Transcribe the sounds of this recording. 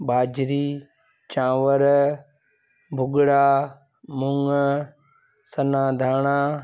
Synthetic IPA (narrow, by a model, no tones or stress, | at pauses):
ɓaːd͡ʒɾiː | t͡ʃãːʋəɾ | bʱʊɡɽaː | mʊŋ | sənãːd̪ʱaːɳ̃aː